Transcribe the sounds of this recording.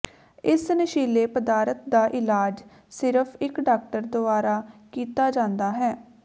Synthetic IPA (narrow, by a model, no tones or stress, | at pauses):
ɪsnəʃiːleːpəd̪aːɾət̪̚d̪aːʔɪlaːd͡ʒ | sɪɾəpʰɪkɖaːk̚ʈəɾd̪ʊbaːɾaːkiːt̪aːd͡ʒãːnd̪aːɦɛː